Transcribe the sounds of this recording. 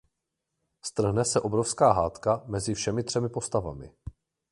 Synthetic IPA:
st̪r̩ɦnɛsɛʔo̞bɾofskaːɦaːt̪kamɛzɪfʃɛmɪt̪r̥ɛmɪpo̞st̪ava̰mɪ̰

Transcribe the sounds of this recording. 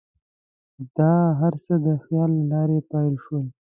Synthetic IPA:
d̪̥ɑːɦaɾsəd̪əxjɑːlːɑːɾepɑilʃwəl

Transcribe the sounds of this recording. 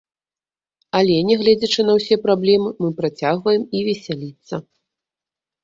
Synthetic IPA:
alʲɛnʲɛɣlʲɛd͡zʲɐt͡ʂɨnɐwsʲɛpɾablʲɛmɨmɨpɾat͡sʲaɣvɐjɛmivʲɛsʲalʲit̪sːɐ

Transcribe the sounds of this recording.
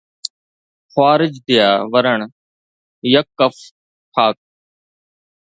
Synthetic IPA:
xwaːɾɪd͡ʒd̪ɪjaːʋəɾəɳ | jəkːəf | ʈʰaːk̚

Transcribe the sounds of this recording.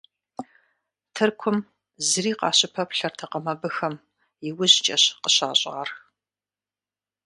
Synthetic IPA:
tʰɨrkʷʰʊm | zɨriːqɑ̰ːɕʼɪpʰɐpɬɐrtʰɐqɐmɐbɨxɐm | jɪwʊʑt͡ʃʼɐɕqəɕa̰ːɕʼɐrx

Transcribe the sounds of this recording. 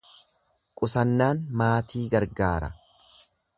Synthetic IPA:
kʼʊsɐnːaːnmaːt̪ʰiːɡɐɾɡaːɾɐ̰

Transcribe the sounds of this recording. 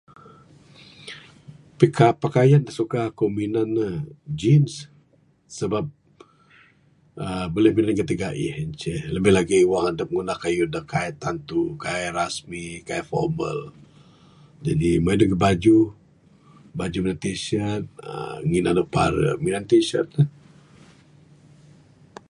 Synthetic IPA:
pikʰapakajandasukakominanəd͡ʒinsː | əbap̚ | əbəlɪhminankət̪iɡaʔḭhnt͡ʃɛləbɪhlaɡiwaŋhadəp̚ŋunahkajudahkʰaɛt̪ant̪ukaɛɾasmikaɛfɔ̰mə̰l | d͡ʒadimadəɡəbad͡ʒu | bad͡ʒuminat̪isiat̪̚ə̰ŋinanəpa̰ɾə̰minant̪isa̰t̪̚ə

